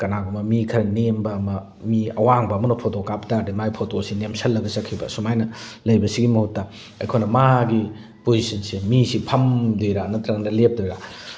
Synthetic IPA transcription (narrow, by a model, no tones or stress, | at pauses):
kɐnaɡumɐmikʰɐɾɐnembɐmɐ | miɐwaŋbɐːmɐnɐpʰotokaptaɾdimajpʰotosinemsɐlːɐɡɐsɐkʰːibɐ̰sumajnɐlɐjbɐsiɡimɐhutːɐ | ɐ̰jkʰojnɐmaɡi | pozisɐnsimisipʰɐmdojɾanɐt̪ɾɐŋnɐlep̚dojɾa